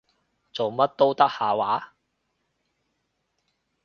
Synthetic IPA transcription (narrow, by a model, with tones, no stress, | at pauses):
t͡so˨wmɐ˥t̚t̪o˥wt̪ɐ˥k̚haː˨waː˨˥